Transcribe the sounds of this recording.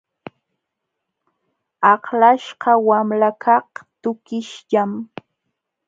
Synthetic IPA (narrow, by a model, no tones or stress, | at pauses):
ɑχlaʃɢɑwamlakʰɑht̪ʊkɪʃʎam